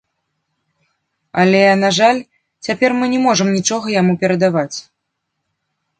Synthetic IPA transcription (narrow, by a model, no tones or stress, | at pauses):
ɐlʲɛnaʐalʲ | t͡sʲapʲɛrmɨnʲɛmɔʐɨmnʲit͡ʂɔɣɐjamupʲɛɾɐd̪avat͡sʲ